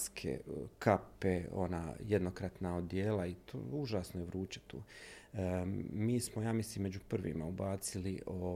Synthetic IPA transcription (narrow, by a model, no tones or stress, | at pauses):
skʰḛkʰapeo̰na̰ːjed̪nokɾat̪naod̪jeːlait̪o̰uʒaːsnojeʋɾuːt͡ʃe̥t̪ṵː | miːsmojaːmisliːmːed͡ʑupr̩ʋḭmaubaːt̪siliʔo